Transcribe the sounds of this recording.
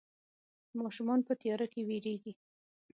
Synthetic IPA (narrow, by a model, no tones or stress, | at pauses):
mɑʃumɑnpət̪ijɑɾakeweɾeɡi